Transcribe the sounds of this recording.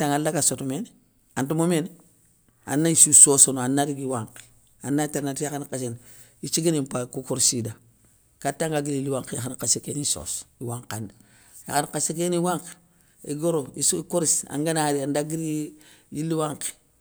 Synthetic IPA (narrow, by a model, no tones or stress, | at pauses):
taŋalːakasotumen | antumomen | a̰nːaisusosonoanːaɾiɡiwaŋk | anːateɾnatijaxankasen | it͡ʃiɡinimpakukuɾsida | katːaŋɡaɡililːiwaŋkejaxankasekeniso̰siwaŋkanda | ja̰xankasekeniwaŋk | iɡoɾoisikoɾisa̰ŋɡanaɾiandaɡiɾiiliwaŋke̥